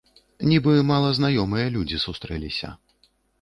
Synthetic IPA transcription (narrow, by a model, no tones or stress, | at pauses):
nʲibɨmalˠɐznajɔmɨjɐlʲud͡zʲisust̪ɾɛlʲisʲɐ̰